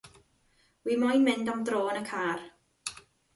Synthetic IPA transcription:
wiːmɔjnmɪndɔmdroːnəkʰaːr

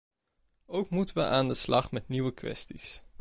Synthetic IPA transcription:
owkmutəʋəʔaːndəslɑχmɛtniʋəkʋɛ̰stis

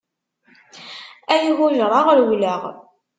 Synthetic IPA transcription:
æjiɣʊʒɾˤɑʁɾwlæʁ

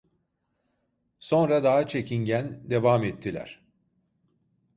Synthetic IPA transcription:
so̞nɾad̪aɦat͡ʃʰe̞ciɲɟænd̪e̞vamɛt̪ʰːilʲæ̰ɾ̥

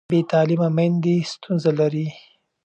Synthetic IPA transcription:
bet̪ɑlimamand̪est̪unzalaɾi

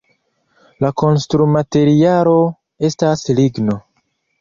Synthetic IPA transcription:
lako̞nstɾumate̞ɾialo̞ | e̞stasliɡno̞

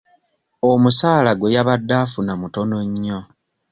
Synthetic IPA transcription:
omusaːlaɡwejaβadːaːfunamuto̞noɲːo

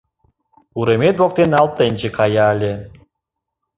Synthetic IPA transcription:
uɾemet̪vok̚t̪enɑlˠt̪ːenʲt͡ɕekʰɑjɑlʲe

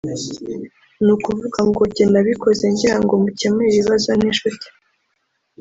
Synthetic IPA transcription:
nuːkuvuɡaŋɡo̞ɟenaβiko̞ze̞ɲɟiɾaŋɡo̞muce̞meiβiβazoniʃuti̥

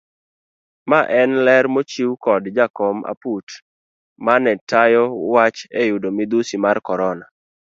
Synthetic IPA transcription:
maʔɛnlɛɾmot͡ʃiwkɔdd͡ʒakɔma̰put | manɛtʰajɔwat͡ʃejudomɪd̪usimarkɔɾɔna

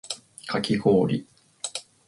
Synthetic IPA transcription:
kʰakʲiɡoːɾʲḭ

